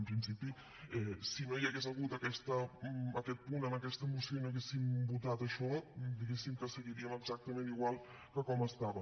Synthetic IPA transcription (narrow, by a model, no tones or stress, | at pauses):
mpɾinsipi | ɛsimejaɣezaɣut̪akɛst̪əɐkɛt̪̚punəməkɛst̪əmusjonoaɣesimbut̪at̪əʃɔd̪iɣesimkəsəɣiɾiəməɡz̥ak̚t̪əmẽniɣwalˠ | kəkɔməst̪aβə